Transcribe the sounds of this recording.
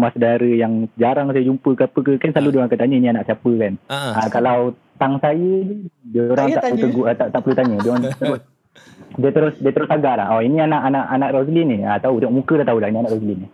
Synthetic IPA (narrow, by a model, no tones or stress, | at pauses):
masədaɾəjaŋd͡ʒaɾaŋsajəd͡ʒumpəkəapəkəkanslaludioɾaŋkat̪aɲə̃inianaʔsiapəkanakalaw | t̪aŋsajədəoɾaŋaʔput̪əɡuət̪aʔt̪aʔpəlut̪aɲə̃diəoɾant̪əɾʊs | diət̪əɾʊsdiət̪əɾʊsaɡaʔlahɔinianaʔanaʔanaʔɾosəlɪnɪat̪aut̪iŋɔʔmukədaht̪aulahinianaʔrosəlɪni